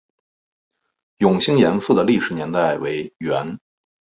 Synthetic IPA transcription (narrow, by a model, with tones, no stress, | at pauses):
jʊ˨˩ŋɕi˥ŋjɛ˧˥nfu˥˩d̪ə˩li˥˩ʂɻ̩˨˩njɛ˧˥nt̪a˥˩ɪwe˧˥ɪɥɛ˧˥n